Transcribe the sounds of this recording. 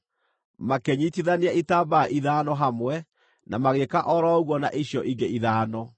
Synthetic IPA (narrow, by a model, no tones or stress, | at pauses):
makeɲitiðaniaitaːbaʔiðaːnɔɦamwɛ | nʔamaɣekaʔɔɾɔoɣwɔna̰ʔiɕjɔʔiɡeiðaːnɔ